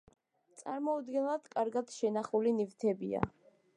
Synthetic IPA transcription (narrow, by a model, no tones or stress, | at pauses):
t̪sʼaɾmɔud̪ɡɛnlˠad̪̥kʼaɾɡad̪̥ʃɛnaχulinivt̪ʰɛbḭa̰